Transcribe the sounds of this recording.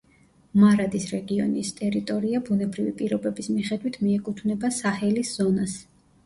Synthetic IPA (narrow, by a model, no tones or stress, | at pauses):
maɾad̪isɾɛɡiɔnḭst̪ʼɛɾit̪ʼɔɾiabunɛbɾivipʼiɾɔbɛbismiχɛd̪wit̪ʰmiɛkʼut̪ʰvnɛbasahɛlisz̥ɔnas